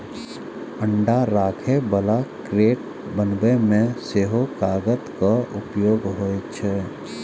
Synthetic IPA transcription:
əɳɖaɾaːkʰebəlakɾeːʈ | bənbemẽseɦokaːɡət̪kəʊpjoːɡɦoːet͡ʃʰɛː

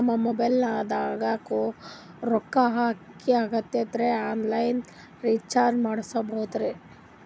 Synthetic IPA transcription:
ɐmːɐmɔbɐjlnaːd̪aːɡaːko | ɾɔkːɐɦaːk | iaːɡɐt̪ːed̪ɾeaːnlɐjn | ɾiːt͡ʃaːɾd͡ʒmaːɽsɐbɐɦud̪ɾe

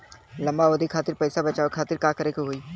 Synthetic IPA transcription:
lɐ̃mbaʋɐd̪ʱikʰaːt̪ɪɾpɛːsabɐt͡ʃaːokʰaːt̪ɪɾkaːkəɾekoɦoːiː

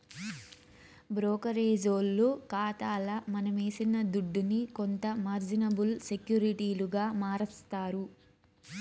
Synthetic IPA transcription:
bɾɔːkɐɾeːd͡ʒoːlːukaːt̪aːlɐmɐnɐmeːsinɐd̪uɖːunikont̪ɐmaːɾd͡ʒinɐbulse̞kjuːɾiʈiːluɡaːmaːɾɐst̪aːɾu

